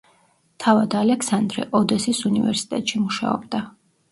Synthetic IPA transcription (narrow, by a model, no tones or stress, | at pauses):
t̪ʰavad̪alɛksand̪ɾɛ̰ʔɔd̪ɛsisunivɛ̰ɾsi̥t̪ʼɛt̪ʃimuʃa̰ɔbd̪a